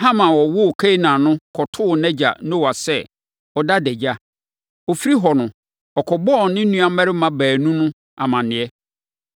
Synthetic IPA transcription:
ɦã˦mã˨wɔ˨wʊ˦˨kʰɛ˦i˦nãː˨nʊ̃˦kʰɔ˨tʰʊ˦˨nɛ̃˦d͡ʑa̰˨nõ˦wa˨sɛ˦˨ | ɔ˨da˦dɛ˨d͡ʑa˦ | ɔ˨fi˦ɾi˦ɦɔ˨nʊ̃˨ | ɔ˨kʰɔ˨bɔ˦˨nɪ̃˦n̩˦nũ˦a˨˦mɛ˦ɾɪ˦mã˦bæː˨nũ˦nʊ̃˦ | a̰˨mã˨nɪ̃˨ɛ˦

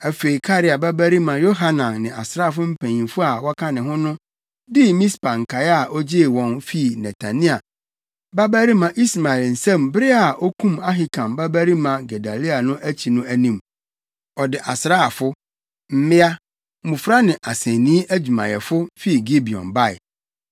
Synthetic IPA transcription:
æ˨fe˨i˨kʰa˦ɾɪ˨a˨bæ˦bæ˦ɾi˦mã˨jo˦ɦa˦nã˨nːɪ̃˨ʔa˨sɾa˦˨f̬ʊ˦m̩˦pʰæ̃˨ɲĩ˨mfʊ˦a˨wɔ˦kʰa˦nɪ̃˨ɦʊ̃˦nʊ̃˦ | dɪ˦mĩ˦spã˨ŋ̩˨kʰa˨ja˨ʔɔ˦d͡ʑɪ˦˨wɔ̃˨nfi˦˨nɛ˨tʰa˨nĩ˦a˨ | ba˦bæ˦ɾi˦mã˨ʔi˦sma˨ɛ˨ln̩˨sɛ̃˦˨mbɪ˦ɾɪ˦a˨ʔɔ˦kʰũ˦ma˦ɦɪ˨kʰã˨mbæ˦bæ˦ɾi˦mã˨ɡɛ˨da˨li˦a˨nʊ̃˦ʔæ˦t͡ɕʰi˨nʊ̃˦æ˦nĩ˦˨m | ɔ˨dɪ˨ʔa̰˨sɾaː˦a˨fʊ˦ | m̩˦mɪ̃˦a˦ | mũ˨fɾa˦nɪ̃˨ʔa˨sɛ̃˨nĩ˦ʔæ˦d͡ʑᶣu˨mã̰˨jɛ˨fʊ˦fi˦˨ɡi˦bi˨ɔ̰̃˨nba˦˨ɪ̰˨

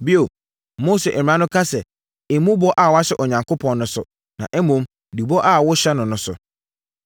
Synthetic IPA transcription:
bi˦o˨ | mo˦se˨ʔɛ˨m̩˨ã˦nʊ̃˦kʰa˦sɛ˨ | ɪ˨mũ˦bɔ˦ʔa˦˨wa˦ɕɛ˦ʔɔ˨ɲã˨ŋkʰo˦pʰɔ̃˨n˦nʊ̃˨sʊ˨ | nã˨ʔɛ˦mũ˨m˨ | di˨bɔ˦ʔa˦˨wʊ˦ɕɛ˦nʊ̃˨nʊ̃˨˦sʊ̰˨

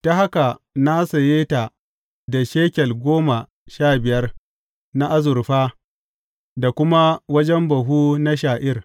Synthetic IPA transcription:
ta˦ɦa˦ka˨na˦sa˨jeː˦ta˨ | da˨ʃeː˦kʲɛ˨lɡʷoː˦ma˨ | ʃaː˦˨bɪ˨jɐ˦r | na˦ʔa˦zʊ˨rɸaː˦ | da˨kʷʊ˦ma˦wɐ˦d͡ʒɛ˦mbɐ˨ɦuː˦na˦ʃaː˨ʔɪ˦r

